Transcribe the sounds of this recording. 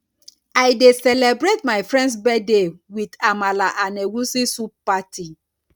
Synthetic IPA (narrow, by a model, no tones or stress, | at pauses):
ajdesɛlebɹetmaɪfɹɛ̃nds̬bɛdewidamalaʔanewusisuppatʰi